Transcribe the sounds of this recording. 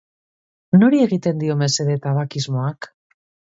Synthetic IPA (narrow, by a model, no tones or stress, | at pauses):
no̞ɾie̞ɣit̪e̞nd̪io̞me̞se̞ðe̞t̪aβakizmo̞ak